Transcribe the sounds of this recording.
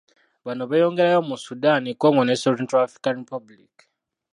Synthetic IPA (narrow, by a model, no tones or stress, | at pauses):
βanoβajo̞ːŋɡeɾajomusudanikoŋɡonesoɾentoafɾikanɾipablḭk